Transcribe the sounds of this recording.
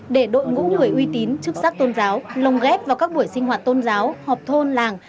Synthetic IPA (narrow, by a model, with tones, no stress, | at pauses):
ɗe˧˩ɗo̰˧˨jŋṵ˧˥ŋɨ˧˩əjʔwi˧t̪i˨˦nt͡ɕɨ˦˥k̚saː˦˥k̚t̪o˧nzaː˨˦wlə˨˩wŋ͡mɣɛ˦˥p̚vaː˨˩wkaː˦˥k̚ɓu˧˩əjsï˧ŋ̟ɦwaː˨˩t̚t̪o˧nzaː˨˦whɔː˨˩p̚t̪ʰo˧nlaː˨˩ŋ